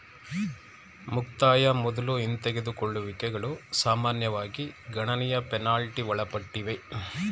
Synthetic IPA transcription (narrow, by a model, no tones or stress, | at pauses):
mukt̪aːjɐmɔd̪ɐluint̪ɛɡed̪ukoɭːuʋikɛɡɐɭusaːmaːnjɐʋaːɡiɡɐɳɐnɛjɐpɛnaːlʈiʋɐɭɐpɐʈːiʋe